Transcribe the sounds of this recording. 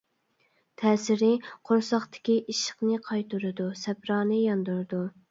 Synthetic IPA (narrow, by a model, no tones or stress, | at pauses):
t̪ʰɛːsɪɾɪqʰoɾsɑχt̪ʰɪ̥kʲiʔiʃə̥χnɨqʰɑjt̪uɾɨd̪usɛpɾɑːnɨjɑnd̪uɾɨd̪u